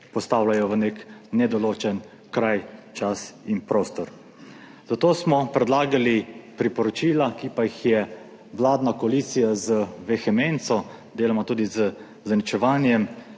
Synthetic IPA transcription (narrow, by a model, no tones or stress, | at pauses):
pɔst̪aːwlajɔʋəneknɛd̪ɔloːt͡ʃɛn | kɾajt͡ʃasinpɾoːst̪ɔɾ | zat̪oːsmɔpɾɛd̪laːɡalipɾipɔɾɔt͡ʃiːlakipajixjɛ | ʋlaːd̪nakɔalit̪sijazəʋɛxɛment̪sɔ | d̪eːlamat̪uːd̪izə | zanit͡ʃɛʋaːnjɛm